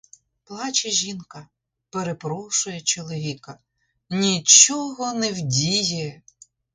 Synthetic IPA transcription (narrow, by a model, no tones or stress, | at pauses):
plˠɑt͡ʃɛʒʲinkɐ | peɾepɾɔʃʊjɛt͡ʃɔlˠɔʋʲikɐ | nʲit͡ʃɔɦɔnɛwdʲijɛ